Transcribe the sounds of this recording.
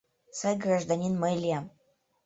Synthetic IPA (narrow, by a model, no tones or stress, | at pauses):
sajɡraʒd̪anʲinməlʲijam